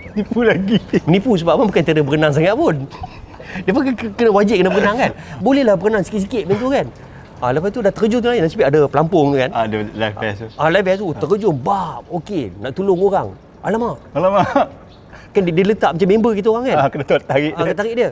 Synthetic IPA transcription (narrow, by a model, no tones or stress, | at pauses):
mənipulaɡimənipus̬əbamabukant̪ədəbəkənaŋs̬aŋaʔ̚pʊn | diəpakakənəwad͡ʒɪʔ̚kənəbəkənaŋkanbolɛhlahbəkənaŋsə̥kits̬ikɪʔ̪̚bint̪̬ukan | alapast̪udat̪əɾəd͡ʒʊŋt̪unlanasəbit̪adapəlampʊŋkanadəlafɛsalafɛs̬uəɾəd͡ʒʊmbap̚okenaʔt̪ulʊŋoɾaŋ | a̰lamaʔalamaʔ | kanddiələt̪aʔmat͡ʃamembəkit̪uoɣaŋkankənat̪at̪aɾɪʔkat̪aɾɪʔdiə